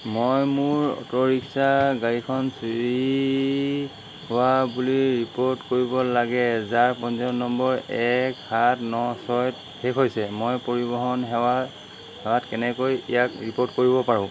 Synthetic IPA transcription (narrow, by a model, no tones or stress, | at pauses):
mojmʊɹɔ̰tɔɹiksaɡaɹikʰɔnsiɹi | howabuliɹipoɹtkoɹibɔlaɡɛzaɹpɔnzɔnɔmbɔɹɛkhatnɔsɔjt | hekʰɦojsɛmojpoɹibɔɦɔnɦɛa | hɛwatkɛnɛkojɛ̰jakɹipoɹtkoɹibɔpaɹʊ̃